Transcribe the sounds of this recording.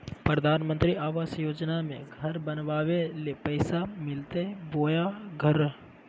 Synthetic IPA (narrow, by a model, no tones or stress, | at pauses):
pɾəd̪ʱaːnmə̃nt̪ɾiaːʋaːsjoːd͡ʒnamẽɡʱɐɾbɐnʋaːʋelepəɪsamɪlt̪eboːjaɡʱɐɾ